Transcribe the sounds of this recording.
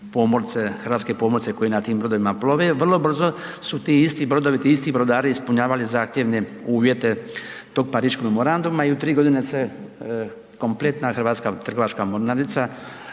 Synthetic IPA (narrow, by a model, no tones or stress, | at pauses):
po̞ːmoɾt̪sexɾr̩ʋat̪ke̞pomoɾt̪eko̞jenat̪iːmbɾo̞d̪o̞ʋimaplo̞ʋeʋr̩lo̞br̩zo̞sut̪iːist̪ibɾo̞d̪oʋit̪iist̪ibɾo̞d̪aːɾiːspuɲaːʋalizaːxt̪je̞ʋne̞uːʋje̞t̪e̞t̪o̞ːɡ̚paɾiːʃkoɡmemo̞ɾand̪umaiut̪ɾiːɡo̞d̪inese | ko̞mple̞t̪naxɾʋaːt̪skat̪r̩ɡoat͡ʃkamoɾnad̪it̪sa